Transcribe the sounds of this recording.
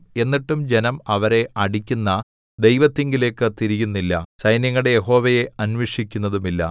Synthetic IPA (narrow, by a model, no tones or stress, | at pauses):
e̞nːiʈːumd͡ʑe̞nɐmɐʋɐɾe̞ɐɽikʲːunːɐ | d̪e̞jʋɐt̪ːeŋɡile̞ːkːɨt̪iɾijunːilːɐ̰sɐjnjɐŋːɐɽeje̞ɦo̞ːʋɐje̞ɐnweʂikʲːunːɐðumilːɐ̰